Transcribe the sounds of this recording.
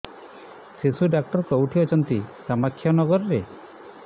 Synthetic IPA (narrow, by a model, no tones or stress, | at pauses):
sesuɖak̚ʈɔɾkɔuʈʰiɔt͡ʃʰɔnt̪isamakʰːjɔnɔɡɔɾɔɾe